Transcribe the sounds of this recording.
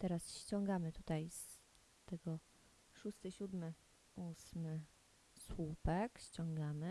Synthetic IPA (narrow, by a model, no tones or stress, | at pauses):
t̪ɛɾasɕt͡ɕɔŋɡamɘt̪ut̪ajs | t̪ɛɡɔ | ʂust̪ɘɕud̪mɘ | usmɘ | swupɛkɕt͡ɕɔŋɡamɘ